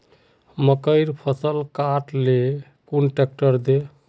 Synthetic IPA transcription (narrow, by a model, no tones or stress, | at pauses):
məkəɪɾpʰəsəlkaʈle | kunʈek̚ʈəɾd̪e